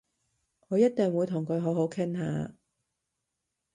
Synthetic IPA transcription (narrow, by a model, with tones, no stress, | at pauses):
ŋɔ˨˧jɐ˥t̚t̪ɪ˨ŋwuː˨˧jt̪ʰʊ˨˩ŋkʰɵ˨˧ɥɦo˨˥ɦo˨˥wkʰɪ˥ŋha̰ː˨˧